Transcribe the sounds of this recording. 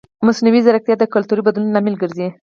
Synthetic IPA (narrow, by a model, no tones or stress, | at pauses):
mʊsniwizaɾak̚t̪jɑd̪əkʊlt̪uɾibad̪lunlamilɡəɾzi